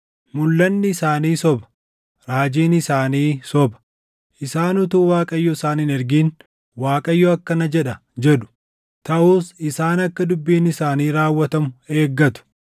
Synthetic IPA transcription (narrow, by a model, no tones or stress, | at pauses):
mʊlːɐnːɪɪsaːniːsɔbɐ̥ | ɾaːd͡ʒiːnɪsaːniːsɔbɐ̥ | ʔɪsaːnʊt̪uːwaːkʼɐjːɔɪsaːniːnɛɾɡiːn | waːkʼɐjːɔɐkːɐnɐd͡ʒɛᶑɐ | d͡ʒɛɗʊ̥ | t̪ɐʔuːsɪsaːnɐkːɐd̪ʊbːiːnɪsaːniːɾaːwːɐt̪ɐmʊe̞ːɡːɐt̪ʊ̥